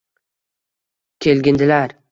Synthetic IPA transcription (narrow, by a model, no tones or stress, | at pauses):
kʲʰelɡʲɪnd̪ɪlaɾ